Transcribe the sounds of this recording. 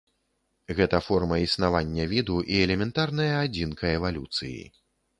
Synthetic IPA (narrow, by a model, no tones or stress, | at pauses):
ɣɛt̪ɐfɔrmɐisnavanʲːɐvʲid̪uʔiɛlʲɛmʲɛnt̪arnɐjɐad͡zʲinkʰɐɛvalʲut̪sɨjḭ